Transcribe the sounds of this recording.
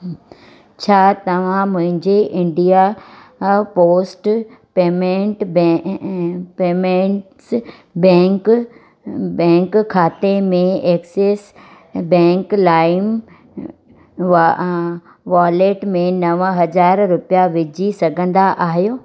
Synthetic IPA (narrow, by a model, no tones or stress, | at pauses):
t͡ɕʰaːt̪ɐʋ̤ãmʊ̃ɦɪ̃ɲd͡ʑeʔɪ̃ɳɖija | poːsʈ | peːmẽɳʈb | peːmẽɳʈs | bɛ̃ːŋk | bɛ̃ːŋkkʰːaːt̪emẽeːkseːs | bɛ̃ːŋklaːɪm | ʋaːleːʈmẽnɐʋɦɐzaːɾɾʊpijaʋɪd͡ʑʱisɐɡʱə̃nd̪aʔaːɦijoː